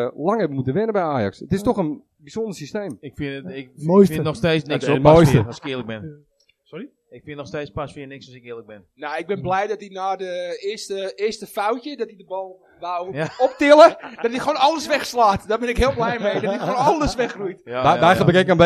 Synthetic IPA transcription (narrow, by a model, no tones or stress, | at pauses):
laŋɛbəmutənʋɪnəbɛjaːjɑ̰ksətɪstɔxən | biz̥ondərsisteːmɪkfɪojsəɔxsteːsnkmojstəskɪələk̚bɪn | sɔi | ɪkfɪnnɔxsteːt͡spasfɪənɪksɔsɪkɪələk̚bɪnnaɪɡ̚bɪnblɛjdɔtinaːdəɪstəɪəstəfawtjədɔtidəbɔlˠ | ʋawɔp̚tɪlˠəd̥ɔtixoːnɑlˠəsʋɛxslaːtdɔbɪnɪkɦɪəlˠblɛjmejdɔtixoːnɑlˠəsʋɛxrujtajxləbəkɛkənb